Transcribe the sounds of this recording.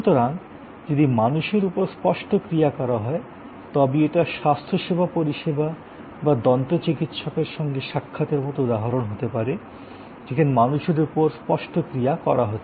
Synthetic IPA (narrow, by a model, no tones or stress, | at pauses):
ʃut̪oɾaŋ | d͡ʑod̪imanuʃeɾupoɾspɔʃʈʰokɾijakɔɾaɦɔe | t̪ɔbeeʈaʃast̪ʰoʃebʱapoɾiʃeba | bad̪ɔnt̪ot͡ɕikit̪ʃɔkeɾʃɔŋɡeʃakʰːat̪eɾmot̪oud̪aɦaɾonɦot̪epaɾe | d͡ʑekʰanemanuʃeɾupoɾspɔʃʈʰokɾijakɔɾaɦot̪ː